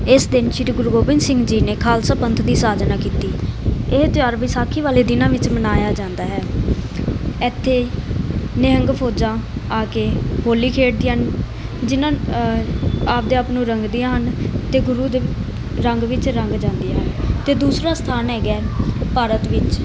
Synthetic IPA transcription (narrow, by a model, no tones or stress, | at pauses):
ɪsd̪ɪnʃiɾɡʊɾuɡoːbɪnsɪ̃ŋɡd͡ʒiːneːkʰaːlsaːpənt̪ʰd̪iːsaːd͡ʒnaːkiːt̪iːɪɦt͡ʃaːɾʋiːsaːkʰiːʋaːleːd̪ɪnãːʋɪt͡ʃmənaːjaːd͡ʒãːnd̪aːɦɛː | ɪt̪ʰːeː | nɪəŋɡpʰoːd͡ʒãːaːkeːɦoːliːkʰeːʈ̚d̪iːɦən | d͡ʒɪnãː | aːp̚d̪eːəpnũːɾəŋɡd̪ɪjãːɦənt̪eːɡʊɾuːd̪e | ɾəŋɡʋɪt͡ʃɾəŋɡd͡ʒãːnd̪ɪjaːɦənt̪eːd̪uːsɾaːst̪ʰaːnɛːɡɛːpaːɾət̪ʋɪt͡ʃ